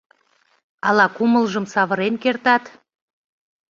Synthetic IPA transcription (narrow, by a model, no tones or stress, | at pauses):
ɑlɑkuməlʒəmsɑβə̆ɾenkert̪ɑt̪